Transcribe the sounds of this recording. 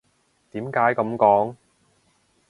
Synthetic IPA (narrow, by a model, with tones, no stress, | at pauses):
t̪iː˨˥mkaː˨˥jkɐ˨˧˥mkɔː˨˥ŋ